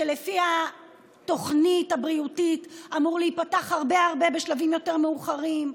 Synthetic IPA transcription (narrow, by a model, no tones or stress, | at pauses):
ʃelefiha | to̞χnithabʁiutitamuʁleipataχhaʁbeaʁbe̞be̞ʃlavimjo̞te̞ʁmeuχaʁim